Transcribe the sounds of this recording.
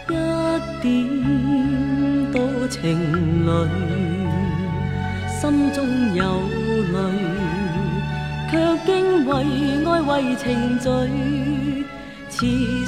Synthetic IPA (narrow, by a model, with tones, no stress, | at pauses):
jɐ˥tt̪ːi˨˧˦nt̪o˧˥t͡sʰɪ˨˩ŋlə˨ɥ | sɐ˥mt͡sʊ˥ŋjɐ˨˧w | lə˨˧ɥ | kʰœ˧kɪ˥ŋwɐ˨˧jŋɔː˥jwɐ˧jt͡sʰɪ˨˩ŋt͡sɵ˨˧ɥ | t͡sʰiː˨˧